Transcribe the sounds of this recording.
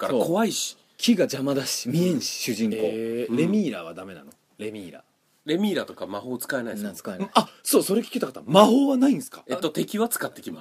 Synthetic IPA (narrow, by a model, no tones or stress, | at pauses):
kaɾaoːkʰo̞βaiɕi̥ | kʲʰiɡad͡ʑamad̪aɕimʲiẽ̞ɰ̃ɕi̥ɕɨʑĩŋko̞ːɾe̞mʲiːɾaβad̪ame̞na̰no | ɾe̞mʲiːɾa̰ | ɾe̞mʲiːɾat̪o̞kamaho̞ːt͡sɨ̥kae̞naisat͡sɨ̥kaenaso̞ːso̞ɾekʲi̥kʲit̪akḁt̪amaɦo̞ːβanaĩɰ̃sɨ̥kḁet̪ːo̞t̪e̞kʲiβat͡sɨ̥kat̪ːe̞kʲimas